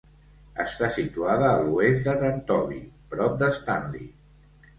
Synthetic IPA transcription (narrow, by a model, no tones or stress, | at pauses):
ə̰st̪asit̪uaðəːluesd̪ət̪ənt̪ɔβḭpɾɔp̚d̪əst̪anlḭ